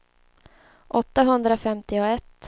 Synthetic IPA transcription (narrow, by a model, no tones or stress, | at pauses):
ʔɔt̪ːaɦɵnd̪ɾafɛmt̪ɪɔɛt̪ː